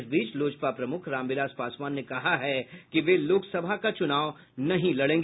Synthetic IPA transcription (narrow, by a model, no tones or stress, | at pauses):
sbiːt͡ʃloːd͡ʒpapɾɐmʊkʰɾãːmbɪlaːspaːsmaːnːekɐɦaɦɛkiʋeloːksɐbʱakat͡ʃʊnaːʋ | nɐɦĩlɐɽẽːŋɡ